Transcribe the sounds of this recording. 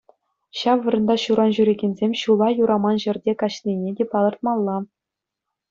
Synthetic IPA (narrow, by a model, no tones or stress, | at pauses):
ɕɑʋːɤ̆ɾɤ̆nd̪ɑɕuɾɑnʑyɾʲeɡʲenʲzʲemʲɕulˠɑjuɾʔɑmɑnʑɘ̆rʲdʲekɑɕlʲinʲedʲepɑlˠɤ̆rt̪̚mɑlˠːɑ